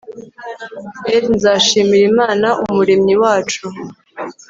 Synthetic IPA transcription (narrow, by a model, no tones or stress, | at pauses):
evnzaːʃiːmiɾimaːnaʔumuɾemɲiwaːt͡ʃu